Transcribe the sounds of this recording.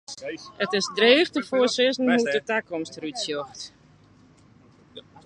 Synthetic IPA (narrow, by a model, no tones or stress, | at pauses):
ətɪsdreːxtəfoːsɪsn̩mutətakɔmstrytsjoxt